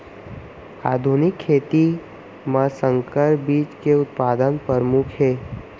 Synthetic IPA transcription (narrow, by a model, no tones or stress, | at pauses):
aːd̪ʱunɪkʰːeːt̪i | mãsə̃ŋkəɾbiːt͡ʃkeʊt̪̚paːd̪ənpəɾmukʰɦeː